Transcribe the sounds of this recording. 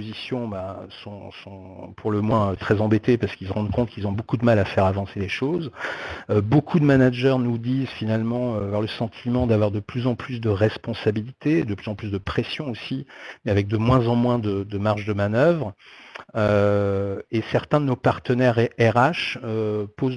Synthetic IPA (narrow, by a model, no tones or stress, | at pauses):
pozisjɔ̃basɔ̃sɔ̃ | pʰuʁləmwɛ̃øt̪χɛzɑ̃bet̪epaʁsə̥kils̬əʁɑ̃d̪kɔ̃t̪̚kilzɔ̃bokud̪əmalafɛʁavɑ̃seleʃozøbokʰud̪əmanaʒœʁnud̪izfinalmɑ̃øavwaʁləsɑ̃t̪ʰimɑ̃d̪avwaʁd̪əplyzɑ̃plysd̪əʁɛspɔ̃sabilit̪ed̪əplyzɑ̃plysd̪əpχɛsjɔ̃osimeavɛk̚d̪əmwɛ̃zɑ̃mwɛ̃d̪əd̪əmaʁʒd̪əmanœvʁ | ø | esɛʁt̪ɛ̃d̪ənopaʁt̪ənɛʁɛʁaʃøpoz